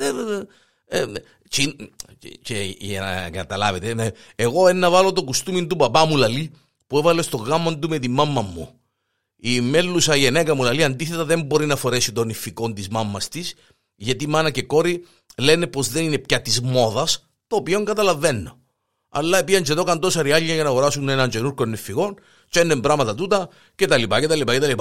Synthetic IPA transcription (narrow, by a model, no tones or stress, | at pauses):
e | t͡ʃin | ceʝn̰ɡɐt̪ɐlɐ̰vet̪eme | eɣo̞enːɐvɐlo̞t̪okust̪umint̪upɐpɐmulɐli | puevɐle̞st̪o̞ɣɐmːond̪ume̞t̪imːɐmːɐmːṵ | imelːusɐʝenekɐmulɐliɐnd̪iθe̞t̪ɐðembo̞ɾinɐfo̞ɾe̞sit̪o̞nifːiko̞nt̪izmɐmːɐst̪is | ʝɐt̪imɐnɐce̞ko̞ɾi | le̞ne̞po̞zðe̞ninepçɐt̪izmo̞ðɐs | t̪oːpio̞ŋɡɐt̪ɐlɐve̞nːo̞̰ | ɐ̰lːɐepiɐnt͡ʃet̪o̞kɐnt̪o̞sɐɾiaʎːɐjɐnɐɣoɾasunenɐɲt͡ʃe̞nuɾkonːifːiɣo̞n | t͡ʃenːembɾɐmɐt̪ɐt̪ut̪ɐ | cet̪ɐlipɐcet̪ɐlipacet̪ɐlipa